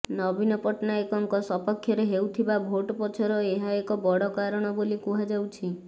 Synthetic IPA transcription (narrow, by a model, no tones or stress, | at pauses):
nɔbinɔpɔʈnaekɔŋkɔsɔpɔkʰːjɔɾeɦewt̪ʰibabʱoʈɔpɔt͡ʃʰɔɾɔeɦaekɔbɔɽɔkaɾɔɽ̃ɔbolikuɦad͡ʒawt͡ʃʰi